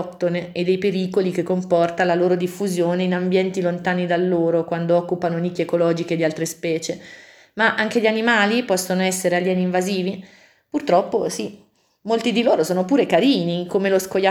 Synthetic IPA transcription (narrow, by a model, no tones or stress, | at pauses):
pt̪oned̪ːejpeɾiːkolik̟ekːompɔrt̪alaloːɾod̪ifːuzjoːneinambjɛnt̪ilont̪aːnid̪alːoːɾokwand̪oɔkːupanonikːjekolɔːd͡ʒiked̪ialt̪ɾespɛːt͡ʃe | maʔaŋk̟eʎːianimaːlipɔsːonoɛsːeɾealːɛniɱvaziːvi | purt̪ɾɔpːosi | mːolt̪id̪iloːɾosoːnopuːɾekaɾiːnikomeloskoja